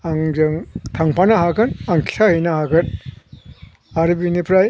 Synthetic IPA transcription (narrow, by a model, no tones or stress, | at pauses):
aŋd͡ʒɯŋtʰaŋpʰanaɦaɡɯnaŋkʰi̥sʰahɯjnahaɡɯn | aɾibinipʰɾaj